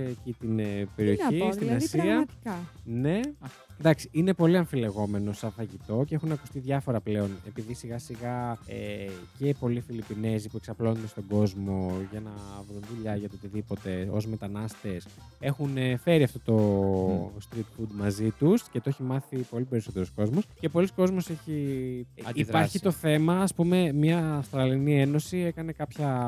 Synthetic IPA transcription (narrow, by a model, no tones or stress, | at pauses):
cit̪inpeɾio̞ist̪inɐsiɐkɐne̞ | nd̪ɐksiine̞po̞liɐɱfile̞ɣo̞me̞no̞sɐfɐʝit̪o̞ceexunɐku̥st̪iðʝɐfo̞ɾɐple̞o̞ne̞piðisiɣɐsiɣɐece̞po̞lifilipine̞zipue̞ksɐplo̞nnd̪e̞st̪o̞ɡo̞zmo̞ʝɐnɐvɾunðuʎɐʝɐt̪oot̪iðipo̞t̪e̞o̞̰zme̞t̪ɐnɐst̪e̞s | e̞xunfe̞ɾiɐft̪o̞t̪o̞ | st̪ɾit̪fud̪mɐzit̪uscet̪oeçimɐθipo̞lipe̞ɾiso̞t̪e̞ɾosko̞zmo̞sce̞po̞lisko̞zmo̞se̞çiɐipɐɾçit̪o̞θe̞mɐːspume̞mɲɐːfst̪ɾɐlinie̞no̞sie̞kɐne̞kɐpçɐ